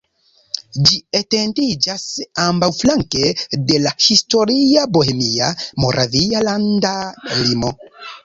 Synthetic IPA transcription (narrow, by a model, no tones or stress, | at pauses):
d͡ʒietendid͡ʒasambawflaŋke̞de̞lahisto̞ɾiabohemiamo̞ɾʔavialandalimo̞